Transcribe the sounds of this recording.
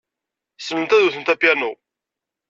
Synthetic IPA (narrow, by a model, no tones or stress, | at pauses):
snənt̪æðuθənt̪æpjænu